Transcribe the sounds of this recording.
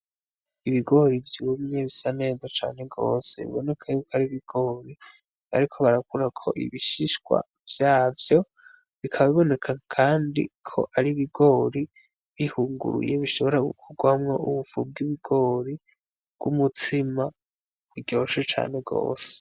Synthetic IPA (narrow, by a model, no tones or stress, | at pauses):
iβiɡo̞ɾivjuːmɲe̞βisane̞ːzat͡ʃa̰ːne̞ɡo̞̰ːse̞̰βḭβo̞ne̞kʰajukoaɾiβiɡ̥o̞ːɾi | a̰ɾikʰo̞βaɾakuɾakʰo̞̰ʔḭβiʃiʃɡwa̰ | vjaːvjo̞ | βikʰaβaβiβo̞ne̞kʰakʰaːndḭkʰo̞̰ʔaɾiβiɡo̞ːɾi | βihuːŋɡṵɾṵje̞βiʃo̞βo̞ɾaɡṵkʰuɡwamŋo̞ʔuβufub̚ɡiβiɡo̞ɾi | bɡ̥umut͡sima | iɡɟoːʃet͡ʃa̰ːne̞ɡo̰ːse̥